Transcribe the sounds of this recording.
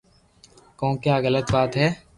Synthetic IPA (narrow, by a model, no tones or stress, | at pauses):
kɔ̃ːkjaːɣələt̪baːt̪ɦɛː